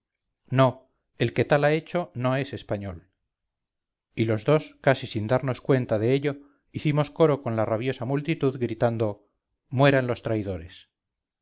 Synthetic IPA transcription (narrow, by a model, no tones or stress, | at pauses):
no̞ | e̞lke̞t̪alae̞t͡ʃo̞no̞e̞se̞spaɲo̞l | ilo̞zðo̞skasisind̪aɾno̞skwe̞nt̪aðe̞eʎo̞ | iθimo̞sko̞ɾo̞ko̞nlaraβjo̞samult̪it̪uðɡɾit̪and̪o̞ | mwe̞ɾanlo̞st̪ɾajðo̞ɾe̞s